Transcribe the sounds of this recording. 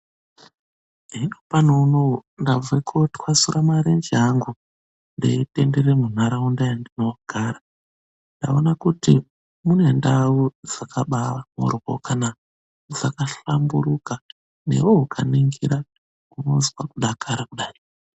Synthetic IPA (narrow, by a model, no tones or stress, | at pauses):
ɦinopanounondavwekʰotwasurʔamaɾend͡ʒiaŋɡu | ndeite̞ndeɾe̞mun̤aɾaundajandino̞ɡ̥ʱaɾa | nda̰onakutḭ | mune̞ndaud͡zakʰaɓaʋamo̰rwokana | d͡zakaɬambuɾuka | ne̞̰woɦukʰaniŋɡiɾa | uno̞̰zwakuɗakʰaɾakuɗaːi